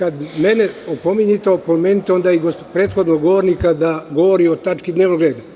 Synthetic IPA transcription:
kad̪meneopomiɲit̪opomeːnit̪eo̞nd̪aiɡospɾeːt̪xo̞d̪noɡɡoʋoɾnikad̪aɡoʋoɾiot̪at͡ʃkid̪neːʋnoɡɾeːd̪a

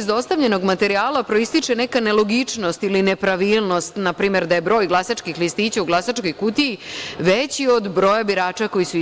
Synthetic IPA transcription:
zd̪o̞st̪aʋʎe̞no̞ɡmat̪e̞ɾiaːlapɾo̞ist̪it͡ʂenekanelˠo̞ɡit͡ʂno̞st̪iline̞pɾaʋiːlˠno̞st̪napɾiːme̞ɾd̪aje̞bɾo̞ːjɡlˠasat͡ʃkixlist̪iːt͡ɕauɡlˠasat͡ʃko̞jkut̪iːʋet͡ɕio̞d̪bɾo̞jabiɾaːt͡ʃako̞jisu

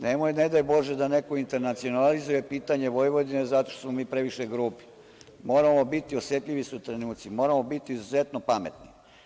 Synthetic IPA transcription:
nemojned̪ajbo̞ʒed̪ane̞koint̪e̞ɾnat̪sio̞nalizuje̞piːt̪aɲe̞ʋo̞jʋo̞d̪inezat̪o̞ʃt̪osmo̞miːpɾe̞ʋiʃeɡɾuːpi̥ | mo̞ːɾamobit̪iosje̞t̪ʎʲiʋisuut̪ɾenuːt̪simo̞ːɾamo̞bit̪iːzuze̞t̪nopame̞t̪ni

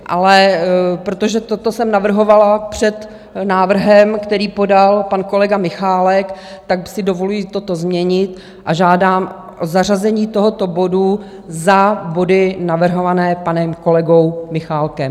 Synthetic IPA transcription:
ʔalɛpɾot̪o̞ʒɛt̪o̞t̪osɛmnavr̩ɦo̞valapr̝̥ɛt̪ | naːvr̩ɦɛmkt̪ɛɾiːpo̞dalpanko̞lɛɡamɪxaːlɛk | t̪ak̚sɪdo̞volujiːt̪o̞t̪ozmɲɛɲɪt̪ | ʔaʒaːdaːm | ʔozarazɛɲiːt̪oɦo̞t̪o̞bo̞du | zabo̞dɪnavr̩ɦo̞vanɛːpanɛmko̞lɛɡo̞wmɪxaːlkɛm

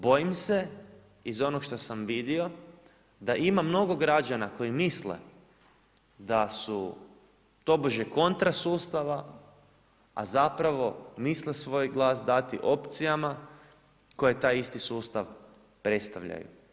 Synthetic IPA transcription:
bo̞jimse̞ | izo̞noɡʃt̪o̞samʋid̪io̞ | d̪aʔimamno̞ɡo̞ɡɾad͡ʒanako̞jimislḛ | d̪asu | t̪o̞boʒeko̞nt̪ɾasuːst̪aʋa | a̰zapɾaʋo̞mislesʋo̞jɡlˠaːsd̪at̪iʔo̞pt̪sijama | ko̞jet̪aːjist̪isuːst̪aʋ | pɾe̞t̪st̪aʋʎa̰jṵ

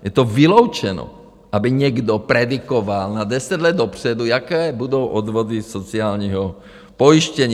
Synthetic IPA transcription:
jɛt̪ɔvilɔʊt͡ʃɛnɔ̰ | ʔabiɲɛɡd̪ɔpɾɛd̪ikɔʋalnad̪ɛsaɟlɛd̪ːɔpr̥ɛd̪uakɛːbud̪ɔʊʔɔd̪ʋɔd̪isɔt͡siaːlɲɛɦɔ | pɔiʃcɛɲɪ

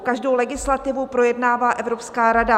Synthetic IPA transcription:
kaʒdo̞wlɛɡɪslat̪ɪvupɾo̞jɛdnaːvaːʔɛvɾo̞pskaːɾada

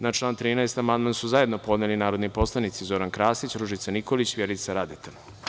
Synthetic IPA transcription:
nat͡ʃlˠaːnt̪ɾiːnaest̪amand̪mansuzaje̞d̪no̞po̞d̪nelinaːɾod̪nipo̞slˠanit̪sizo̞ɾankɾaːsit͡ɕɾuʒit̪sanikolit͡ɕʋjeɾit̪saɾad̪et̪a

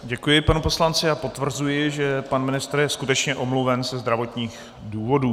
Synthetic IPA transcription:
ɟɛkujɪpanupo̞slant͡sɪapo̞t̪vr̩zujɪʒɛpanmɪnɪst̪rjɛskut̪ɛt͡ʃɲɛʔo̞mluvɛnzɛzd̪ɾavo̞t̪ɲiːx | duːvo̞duː

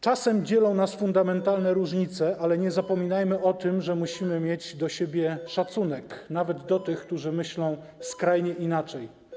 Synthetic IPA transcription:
t͡ʂasɛmd͡ʑɛlɔ̃w̃nasfund̪amɛnt̪alnɛɾuʐɲit̪sɛʔalɛɲɛzapɔmʲinajmɘʔɔt̪ɘmʐɛmuɕimɘmʲjed͡ʑd̪ɔɕebʲjɛʂat̪sun̪ɛknavɛd̪d̪ɔt̪ɘxk̚t̪uʐɘmɘɕlɔ̃w̃ | skɾajɲɛʔinat͡ʂɛj

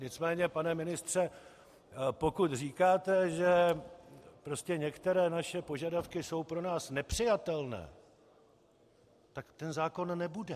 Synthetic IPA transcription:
ɲɪt͡smɛːɲɛpanɛmɪnɪst̪r̝̥ɛ | po̞kut̪r̝iːkaːt̪ɛʒɛ | pɾo̞scɛɲɛkt̪ɛɾɛːnaʃɛpo̞ʒadafkɪso̞wpɾo̞naːsnɛpr̥ɪjat̪ɛlnɛ̰ː | t̪akt̪ɛnzaːko̞nːɛbudɛ

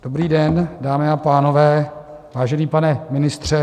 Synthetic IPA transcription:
d̥o̞bɾiːdɛndaːmɪapaːno̞vɛː | vaːʒɛniːpanɛmɪnɪst̪r̝̥ɛ

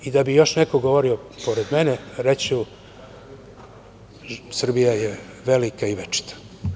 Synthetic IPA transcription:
id̪abijo̞ʃnekoɡo̞ʋoɾiopo̞ɾed̪meneɾet͡ɕu | sr̩bijajeʋelikaiʋet͡ʃi̥t̪ḁ

